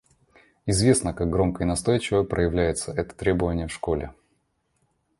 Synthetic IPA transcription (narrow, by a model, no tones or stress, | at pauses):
ɪzvʲe̞snəkaɡ̚ɡɾo̞mkəɪnɐst̪o̞jt͡ɕɪvəpɾʔəjɪvlʲæjɪt̪səʔɛt̪ə̥t̪ɾʲe̞bəvənʲɪjəfʂko̞lʲɪ